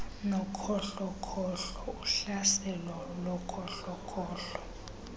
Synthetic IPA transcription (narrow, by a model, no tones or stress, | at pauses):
nɔkʰɔɬɔkʰɔɬɔuɬasɛlɔlɔkʰɔɬɔkʰɔːɬɔ